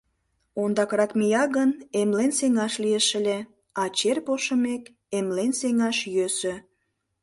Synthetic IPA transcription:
ond̪ɑkrɑkmijɑɣənemlenseŋɑʃlieʃə̆lʲe | ɑt͡ɕerpoʃə̆mek | emlenseŋɑʃjøsø

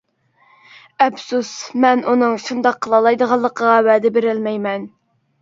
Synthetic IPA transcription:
ɛbsusmɛnʔunɨŋʃund̪ɑqʰːəlˠɑlˠɑjd̪əʁɑlˠːəqʰəʁɑwæd̪ɪbeɾɪlmɛjmɛn

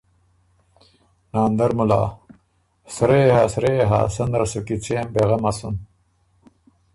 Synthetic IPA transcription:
naːnd̪ɐɾmula̰ː | sɾeːɦasɾeːɦa̰ːsɐnd̪ɾɐsukit͡ɕʰeːmbeɣɐmɐsun

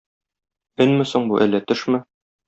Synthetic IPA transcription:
ɘnmɘ̆soɴbuʔælːæt̪ɵ̆ʃmɘ

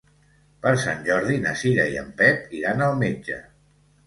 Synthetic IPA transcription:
pəɾˠsanʲʒɔɾðinəsiʎəiə̰mpɛt̪iɾanəlˠmed͡ʒə̰

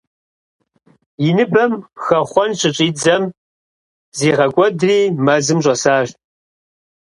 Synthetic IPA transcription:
jɪnɨbɐmxɐχʷɔnɕʼɪɕʼiːd͡zɐm | ziːʁɐkʷʼɔdriːmɐzɨmɕʷʼɔsaːɕ

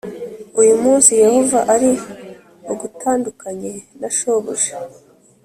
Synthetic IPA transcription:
ujumuːnsije̞ho̞vaʔaɾi | oɡutʰaːndukaɲenaʃoβoʒe̥

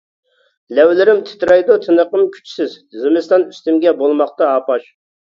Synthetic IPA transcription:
lɛwlɪɾɪmt̪ʰɪ̥t̪ɾɑjd̪ut̪ʰɨnəqəmkʲʰy̥t͡ʃʰsɪz | zɨmɪst̪ɑnyst̪ymɡʲɛbolˠmɑχt̪ɑɑːpɑʃ

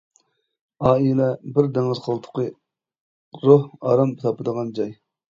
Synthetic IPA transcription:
ɑːilɛbɪɾd̪ɛŋəzqʰəlˠt̪ʰʊ̥qə | ɾohɑːɾɑmbɨt̪ʰɑpɨd̪əʁɑnd͡ʒɑj

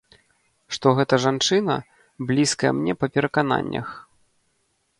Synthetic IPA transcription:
ʂt̪ɔɣɛt̪ɐʐant͡ʂɨnɐ̰ | blʲiskɐjɛ̰mnʲɛpɐpʲɛɾɐkan̪a̰nʲːɐ̰x

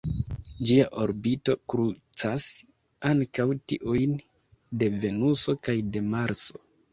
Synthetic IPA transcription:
d͡ʒiaʔo̞ɾbito̞kɾut͡sas | aŋkawtiʔujn | de̞ve̞nuso̞kajde̞maɾt͡so̞̥̰

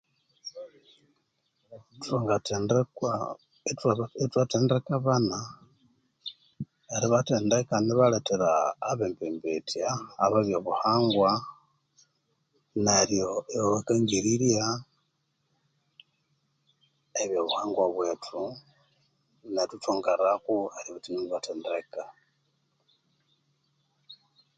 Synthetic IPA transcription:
toŋɡatːn | tetwateːndrekaβana | eɾiβateːndekaniβaleteɾaːβembembetʰjaːβaβjoβuhaːŋɡwa | naljo̞eβaβakaŋɡiɾilja | eβjoβuhaːŋɡwaβwe̞ːtʰu | netutoŋɡaɾakuaɾiβitinindiβateːndeka

